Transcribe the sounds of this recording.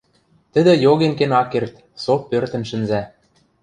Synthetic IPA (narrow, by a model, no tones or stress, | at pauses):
t̪ə̆d̪ɘ̆joɣenkenɑkːert̪ | sopːørt̪ə̆nʃɘ̆nzæ